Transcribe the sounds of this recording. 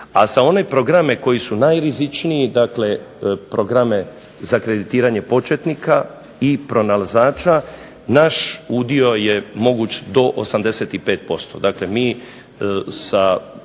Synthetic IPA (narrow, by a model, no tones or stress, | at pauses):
a̰sao̞ne̞pɾo̞ɡɾame̞ko̞jisunajɾizit͡ʃniid̪akle̞ | pɾo̞ɡɾame̞ | zakɾe̞d̪it̪iːɾaɲe̞po̞t͡ʃet̪nikʰa | ipɾo̞nalazaːt͡ʃa | naʃud̪io̞jemo̞ɡuːt͡ʃd̪o̞ʔo̰samd̪e̞set̪ipe̞ːt̪̚po̞st̪o̞̰d̪akle̞miː | sa